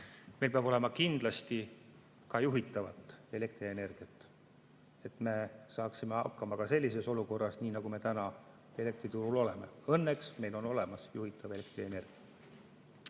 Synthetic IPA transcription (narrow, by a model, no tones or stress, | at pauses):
melpeɑb̥o̞le̞mɑkind̪̥lɑst̪i | kɑjuɦit̪ːˑɑvɑt̪ːˑe̞le̞kt̪ɾie̞ne̞rɡ̥iɑt̪ːˑ | e̞t̪ˑme̞sɑːksime̞ɑ̰kːˑɑmɑkɑse̞lʲːise̞so̞luko̞rːɑsniːnɑɡume̞t̪ænɑ | e̞le̞k̚t̪ɾit̪uɾulo̞le̞me̞ɤ̞nːeksme̞jlo̞no̞le̞mɑsjuɦit̪ːˑɑve̞le̞k̚t̪riene̞rɡ̥iɑ